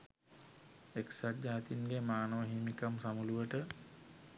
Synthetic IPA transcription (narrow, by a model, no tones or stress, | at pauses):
eksad͡ʒaːat̪inɡemaːnəʋəɦiːmikamsamuluʋəʈə